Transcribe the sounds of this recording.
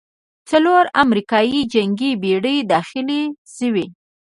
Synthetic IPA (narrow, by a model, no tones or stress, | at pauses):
t͡saloɾamɾikɑjid͡ʒaŋɡibeɽəjd̪ɑxɪleʃəwi